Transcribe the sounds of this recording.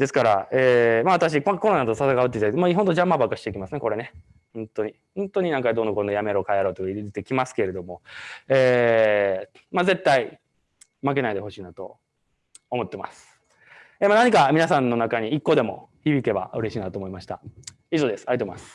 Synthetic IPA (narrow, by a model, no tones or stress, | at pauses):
d̪̥e̞sɨ̥kaɾaeːmaβ̞at̪aɕ̬ikako̞ɾo̞nat̪osasaɡaɯt̪ːeit̪aakːmaiɦont̪o̞d͡ʑãmːabakːaɕi̥t̪e̞ikʲimasɨneko̞ɾe̞ne̞ | hõnt̪o̞ɲ̟i | hõnt̪o̞ɲ̟inãŋkad̪o̞nːoko̞nejame̞ɾokaeɾo̞ːt̪ːokaieet̪e̞kʲimasɨ̥ke̞ɾe̞d̪o̞mo̞eː | maze̞t̪ːai | mak̬e̞naid̪e̞ho̞ɕiːnat̪o̞̰ | omo̞t̪ːe̞ma̰sɨ̥ | eːmanaɲ̟ikamʲinasãnːo̞nakaɲ̟iːkːo̞d̪e̞mo̞̰çibʲike̞ba̰ɯ̟ɾe̞ɕiːnat̪o̞ːmo̞imaɕi̥t̪a̰ | iʑo̞ːd̪e̞sɨ̥ait̪omasɨ̥